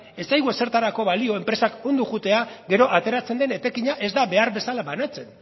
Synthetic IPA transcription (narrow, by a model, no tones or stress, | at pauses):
e̞sajɣuese̞ɾt̪aɾako̞βalio̞e̞mpɾe̞sakond̪uɣut̪e̞aɡe̞ɾo̞ʔat̪e̞ɾat͡se̞nd̪e̞ne̞t̪e̞kiɲaʔe̞zd̪aβe̞aɾbe̞salaβanat͡se̞n